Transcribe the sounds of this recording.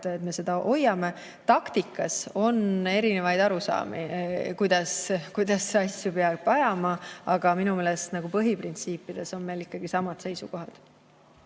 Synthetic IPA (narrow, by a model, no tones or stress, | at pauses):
et̪me̞se̞d̪̥ɑʔo̞jɑme̞ | t̪ɑkt̪ikːˑɑso̞ne̞ɾine̞vɑjd̪ɑɾusɑ̰ːmḭkujd̪̥ɑskujd̪̥ɑsːeɑsʲjupeɑɡbɑjɑmɑɑɡ̥ɑminume̞ːlest̪nɑɡ̥upɤɦiprint̪siːpːˑid̪̥e̞so̞nme̞jlikːɑɡ̥isɑmɑd̪̥se̞jsuko̞ɦɑd̪̥